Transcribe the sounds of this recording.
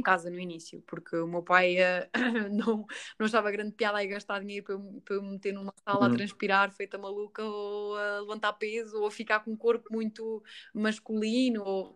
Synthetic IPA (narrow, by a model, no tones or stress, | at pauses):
kazɐnuinisjṵpuɾkʰɨumewpajɛnɐ̃w̃nɐ̃w̃ɐʃ̬avɐɣɾɐ̃nd̪̚piaðaiɣɐʃt̪aɾðiɲejɾupempemmɨt̪eɾnumɐsalˠat̪ɾɐ̃ʃpiɾaɾfejt̪ɐmɐlˠukɐoɐlˠɨvɐ̃nt̪aɾpezuofikaɾkõũkoɾpumũj̪̃t̪umɐʃkulˠinuo